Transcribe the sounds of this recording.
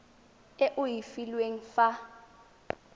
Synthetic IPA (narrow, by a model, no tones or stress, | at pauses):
ɛʔʊjifilweŋ̩fa